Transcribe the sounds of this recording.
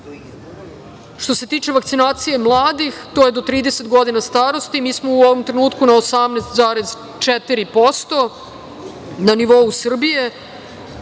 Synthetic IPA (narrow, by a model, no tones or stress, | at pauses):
ʃt̪o̞se̞t̪iːt͡ʃe̞ʋak̚t̪sinaːt̪sije̞mlˠaːd̪ixt̪oje̞d̪o̞t̪ɾiːd̪ese̞t̪ɡo̞d̪inast̪aːɾo̞st̪imiːsmo̞uoʋomt̪ɾe̞nuːt̪kunaosamneːst̪zaːɾez | t͡ʃet̪iɾipo̞st̪o̞ | naniʋo̞usr̩bije̞